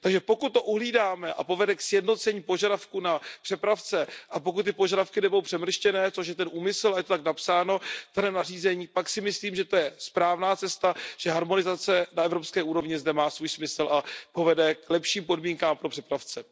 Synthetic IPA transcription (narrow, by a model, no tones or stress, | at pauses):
t̪aɡʒɛpo̞kut̪ːo̞ʔuɦliːdaːmɛʔa̰po̞vɛdɛksjɛdno̞t͡sɛɲiːpo̞ʒadafkunapr̥ɛpɾaft͡sɛʔapo̞kut̪tːɪpoʒadafkɪnɛbodowpr̥ɛmr̩ʃcɛnɛːt͡soʃ̬jɛt̪ɛnʔuːmɪsl̩ajɛt̪ot̪aknapsaːno̞vd̪anɛːmnariːzɛɲiːpaksɪmɪsliːmʒɛt̪o̞jɛspɾaːvnaːt͡sɛst̪aʒ̥ɛɦaɾmo̞nɪzat͡sɛnaɛvɾopskɛːʔuːɾo̞vɲɪzdɛmaːsvuːjsmɪsl̩ʔapo̞vɛdɛklɛpʃiːmpo̞dmiːŋkaːmpɾo̞pr̝̥ɛpɾaft͡sɛ